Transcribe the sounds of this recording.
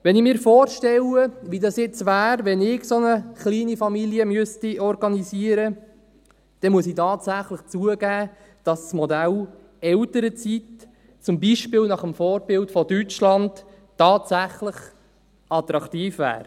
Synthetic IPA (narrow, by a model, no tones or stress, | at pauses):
ʋɛnɪmɪːɾfɔːrʃtɛləʋidɑsjɪt͡sʋæːɾʋɛnɪɡsonəχliːnifɑmiljəmyəstiɔɾɡɑniziəɾə | d̥ɛmuəsitɑːtsæχləχt͡suəɡæː | d̥ɑssmɔdæl | ɛltəɾət͡sit | t͡sʊmbiʃpɪlnɑχəmfɔːɾbɪltfɔdyt͡ʃlɑnt | tːɑːtsæχləχ | ɑt̪ɾɑktiːfvæ̰ːɾ